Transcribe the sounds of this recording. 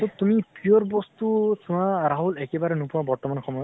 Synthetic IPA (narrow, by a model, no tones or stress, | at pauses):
t̪ɔt̪umipiɔɹbɔst̪usũwaɾaɦulekɛbaɾɛnupuɾabɔɹt̪ɔmankʰɔmɔj